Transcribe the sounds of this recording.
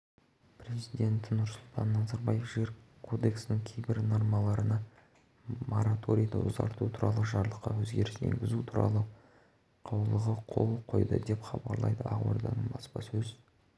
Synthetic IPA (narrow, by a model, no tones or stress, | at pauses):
pɾe̞zid̪e̞nt̪ɪnʊɾsʊlˠt̪ɑnːɑzɑɾbɑjefʒɡeɾkʰo̞d̪e̞ksɪnɪŋkʲʰejbɪɾno̞ɾmɑlˠɑɾənɑ | mo̰ɾat̪ʰo̞ɾʲijd̪ə̰ʊ̰zɑ̰ɾt̪ut̪ʰuɾɑlˠəʒɑɾlˠəqːɑ̰wɵzɡʲe̞ɾɪst̪ḛŋɡʲɪzut̪ʰuɾɑ̰lˠə | qʰɑwlˠəʁəqʰo̞̰lˠqʰo̞̰jd̪əd̪e̞pχɑbɑɾlˠɑjd̪əɑʁwo̞̰ɾd̪ɑ̰nəɴbɑspɑsɵz